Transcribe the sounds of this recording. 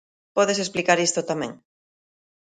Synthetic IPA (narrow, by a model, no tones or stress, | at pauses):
pɔðes̬esplikaɾist̪ʊt̪amɛ̰̃ŋ